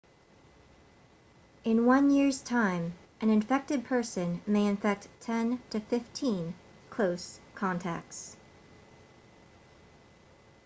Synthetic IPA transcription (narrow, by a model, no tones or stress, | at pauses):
ɨ̃nwʌ̃njɪɹz̥tʰãɪ̃m | ʔɨ̃nɨ̃ɱfɛk̚tɨd̚pʰɜ˞sɨ̃nmeɪɨ̃ɱfɛk̚ttʰɛ̃ntʰɨfɪftʰĩn | kʰl̥oʊskʰɑ̃ntʰæ̰k̚s